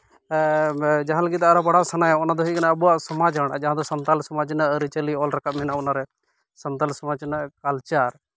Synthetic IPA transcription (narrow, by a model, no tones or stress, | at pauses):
d͡ʒaɦãləɡit̪ɛɐɾabɐɽasanajaɔnad̪ɔɦukanaəbuwaʔsɐmad͡ʒɦəɽ̃a̰d͡ʒaɦãd̪ɔsɐnt̪alsɐmaːd͡ʒnaʔɾit͡ʃəliɔlɾakaʔmɛnaɔnaɾɛ | sənt̪alsɐmad͡ʒnaʔkalt͡ʃaːɾ